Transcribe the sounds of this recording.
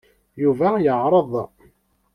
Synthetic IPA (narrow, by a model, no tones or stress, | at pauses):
juvæjəʕɾˤəðˤ